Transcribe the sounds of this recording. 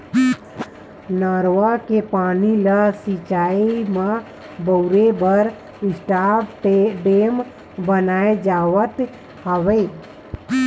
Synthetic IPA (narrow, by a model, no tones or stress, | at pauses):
naɾʋakepaːniləsit͡ʃaimã | bəuɾebəɾ | ɪsʈapɖem | bənaed͡ʒaʋət̪ | həʋə